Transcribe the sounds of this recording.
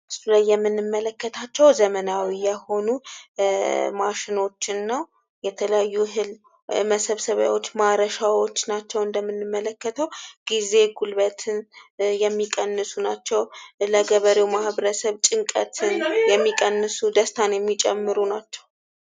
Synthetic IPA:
ʔɨsulajːɛmːɨnːɨmːələkːət̪ʰat͡ʃːɛwzəmənawijɛho̞nu | maʃɪno̞t͡ʃːɪnːəw | jɛt̪ʰələjajːuɦɨl | məsəβsəβa̰wo̞t͡ʃːmaɾəʃawo̞t͡ʃːnat͡ʃːɛwɨnd̪əmːɨnːɨmːələkːət̪ʰəwɡ̥ize̞ɡulβət̪ʰɨnjɛmːikʼənːɨsunat͡ʃːɛwləɡəβəɾewmahβəɾəsəβt͡ʃʼɪŋkʼə̰t̪ʰɨnjɛmːikʼənːɨsud̪əst̪ʰanjɛmːit͡ʃʼɛmːɨɾunat͡ʃːɛw

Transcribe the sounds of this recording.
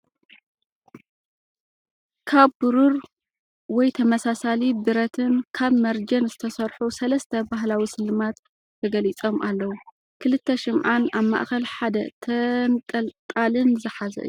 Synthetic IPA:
kʰaβbɨɾuɾ | wɔjt̪ʰɐmɐsasalibɨɾɐt̪ʰɨnkʰaβmɐɾd͡ʒɐnzɨt̪ʰɐsɐɾħusɐlɐst̪ʰɐbaɦlawisɨlːɨmat̪ | t̪ʰɐɡɐlit͡sʼo̞mʔalːɐwu | kʰɨlɨt̪ʰːɐʃɪmʕanaβma̰ʔxɐlħad̪ɐt̪ʰɐnt̪ʼɐlt̪ʼalɨnzɨħazɐ̰ʔɨ̰ju

